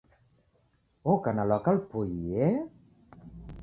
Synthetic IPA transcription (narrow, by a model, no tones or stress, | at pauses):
okanalɔkalpuie